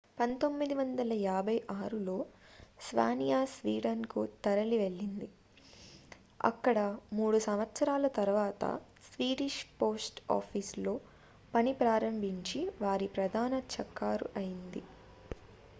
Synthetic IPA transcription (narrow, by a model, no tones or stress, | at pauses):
pɐnt̪o̞mːid̪iʋɐnd̪ɐlɐjaːbʱɐjʔaːɾulo̞ːsʋa̰ːnijaːsʋiːɽɐnkut̪ɐɾɐliʋe̞ɭːind̪i | ɐ̰kːɐɽɐmuːɽusɐmʋɐt̪sɐɾaːlɐt̪ɐɾʋaːt̪ɐ̰ | sʋiːɾiʂpo̞ːsʈa̰ːpʰiːslo̞ː | pɐnipɾaːɾɐmbʱiɲt͡ʃiʋaːɾipɾɐd̪ʱaːnɐt͡ʃɐkːaːɾuʔɐjind̪i